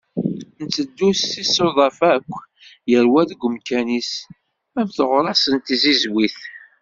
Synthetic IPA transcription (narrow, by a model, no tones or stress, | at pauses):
nt͡sːəd̪ːusθisoðˤɑfækʷː | jəɾwæðɡʷəmkænis | ævθəʁɾˤɑsənt̪izizwiθ